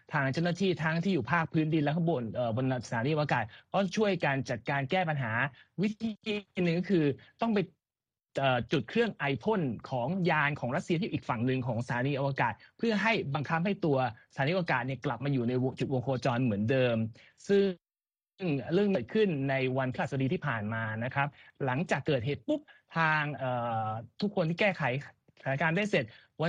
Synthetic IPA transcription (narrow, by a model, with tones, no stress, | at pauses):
t̪ʰaː˧ŋt͡ɕa˥˩wnaː˥˩t̪ʰiː˥˩t̪ʰa˦˥ŋt̪ʰiː˥˩juː˨˩pʰaː˥˩k̚pʰɯː˦˥ndi˧nlɛ˦˥kʰa˥˩bo˧nʔəː˨˩bo˧n˧sʰaː˩˦niː˧ʔwa˧kaː˨˩t̪̚kɔ˥˩t͡ɕʰu˥˩əjkaː˧nt͡ɕa˨˩t̪̚kaː˧nkɛː˥˩pa˧nɦaː˩˦wi˦˥t̪ʰiiː˧nɯ˨˩ŋkkʰɯː˧t̪ɔ˥˩ŋpa˧j | ʔəː˨˩t͡ɕu˨˩t̪̚kʰɾɯ˥˩əŋʔa˧jpʰo˥˩nkʰɔː˩˦ŋjaː˧nkʰɔː˩˦ŋɾa˦˥t̪̚si˧t̪ʰiː˥˩uː˨˩kfa˨˩ŋnɯ˧ŋkʰɔː˩˦ŋsḁ˩t̪ʰaː˩˦niː˧˥ʔa˧wa˧kaː˨˩t̪̚pʰɯ˥˩ɐɦa˥˩jba˧ŋkʰa˦˥p̚ha˥˩jt̪u˧ɐsaaː˨˦nː˦˥ʔa˧a˧kaː˨˩t̪̚ni˥˩əkla˨˩p̚maː˧juː˨˩na˧jo˧t͡ɕu˨˩t̪̚wo˧ŋkʰoː˧t͡ɕɔː˧nmɯ˩˦əndɤː˧m | sɯ˥ | ŋɾɯ˥˩əŋniː˧˨˩t̪̚kʰɯ˥˩nːa˧jwa˧npʰa˦˥a˨˩sa˧diː˧t̪ʰiː˥˩pʰaː˨˩nmaː˧na˦˥kʰɾa˦˥p̚la˩˦ŋt͡ɕaː˨˩kːɤː˨˩t̪̚ɦeː˨˩t̪̚pu˦˥p̚t̪ʰaː˧ŋʔɤː˨˩t̪ʰu˥kʰo˧nt̪ʰiː˥˩kɛː˥˩kʰa˩˦jʰ | a˨˦na˦˥kaː˧ndaː˥˩jse˨˩t̪̚ | wa˧